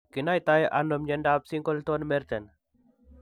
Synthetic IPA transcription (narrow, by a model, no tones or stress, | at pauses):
kinajt̪ajʔa̰nːomɲenɖapsiŋkolt̪onmeɾt̪en